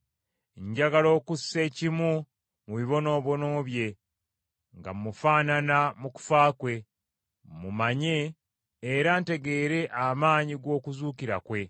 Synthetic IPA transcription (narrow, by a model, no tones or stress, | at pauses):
ɲɟaɡalo̞ːkusːe̞ːcimu | muβiβo̞no̞ːβo̞no̞ːβje̞ | ŋɡa̰mːufaːnanamuku̥faːkwe̞ | mumaɲe̞ː | ɾante̞ɡe̞ːɾe̞ʔamaːɲiɡo̞ːkuzuːkiɾa̰kwe̞